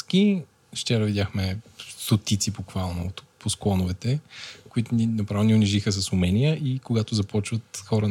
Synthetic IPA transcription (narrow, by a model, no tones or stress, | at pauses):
ski | ʃt͡ʃɛɾəvid̪ʲaxmɛst̪ot̪it̪sipoxvalˠnot̪pʰosklˠɔnʊvɛt̪ɛkoit̪ʊninɐpɾavonʲiʊniʒixəs̬əsʊmɛnijəʔikoɡat̪ʊzɐpɔt͡ʃvət̪xɔɾə